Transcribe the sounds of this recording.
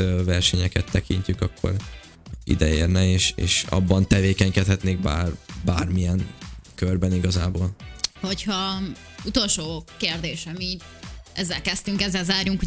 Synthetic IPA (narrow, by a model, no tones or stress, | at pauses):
øvɛrʃɛɲɛkɛt̪ːɛkiɲcykɒkʰːo̞̰ɾ | ḭd̪ɛeːrnɛeːʃḛːʃɒ̰bːɒnt̪ɛveːkɛɲkɛt̪hɛt̪neːɡ̚baːrbaːrmijɛŋkørbɛniɡɒzaːboːlho̞chɒ | ut̪o̞lʃoːkeːrd̪eːʃɛmiːɟ | ɛzːɛlkɛst̪yŋkɛzːɛlzaːrjuŋku